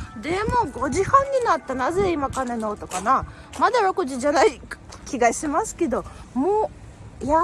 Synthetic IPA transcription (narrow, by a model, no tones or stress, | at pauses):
d̪e̞mo̞ɡo̞ʑihãɲ̟ːinat̪ːanaze̞imakane̞no̞ːt̪okana | mad̪aɾo̞kɯ̟ʑid͡ʑanai | kʲiɡaɕimasɨ̥ke̞d̪o̞moː | ja